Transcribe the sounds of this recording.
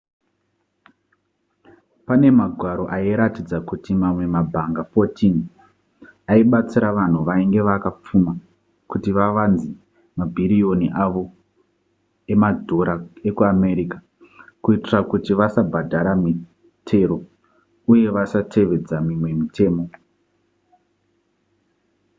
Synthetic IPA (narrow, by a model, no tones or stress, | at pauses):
pane̞maɡʱwaɾo̞ʔaiɾatid͡zakutimamwe̞mabʱaŋɡafo̞tin | aiɓat͡siɾaʋan̤uʋaiŋɡe̞ʋakap͡fuma | kutiʋaʋanzi | mabʱiɾio̞niʔaʋo̞ | e̞madʱo̞ɾae̞kuame̞ɾikḁ | kuitirakutiʋasabʱadʱaɾami | tʰe̞ɾo̞ | uje̞ʋasatʰe̞ʋe̞d͡zamimwe̞mite̞ːmo̞